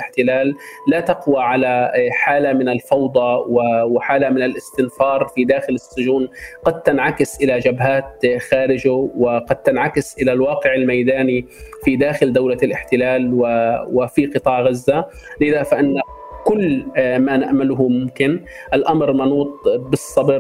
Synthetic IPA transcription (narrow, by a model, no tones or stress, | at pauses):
ɪħt̪ɪlaːlːat̪aqwaʕalaħaːlamɪnalfɑwd̪ˤɑwɪwɪħaːlamɪnalʔɪst̪ɪnfɑːɾˤfid̪aːxɪlɪsːʊʒuːnqɑd̪̚t̪ɪnʕakɪsʔɪlad͡ʒabɦaːt̪̚xaːɾɪd͡ʒʊwɪqɑd̪̚t̪ɪnʕakɪsʔɪlalwɑːqɪʕɪlmajd̪aːnifid̪aːxɪld̪awlalʔɪħt̪ɪlaːlwɪwɪfiqɨt̪ˤɑːʕɣazːa | ʔʔɪðafaʔɪnːa | kʊlːmanaʔmalʊɦʊmʊmkɪn | ʔalʔamɾmɑnuːt̪ˤbɨsˤːɑbɾ